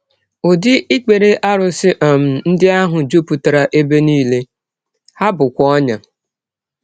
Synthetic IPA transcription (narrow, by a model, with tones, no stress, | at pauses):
o˨dɪ˦ʔi˦k͡pe˨ɾe˦ʔa˦ɾʊ˨sɪ˦ʔɔ˨m̩˨n̩˦dɪ˦a˦ɦʊ˨d͡ʒu˦pu˨ta˨ɾa˨ʔe˦be˦niː˦le˦ | ha˦bʊ˨kʷɔ˦ɲa˨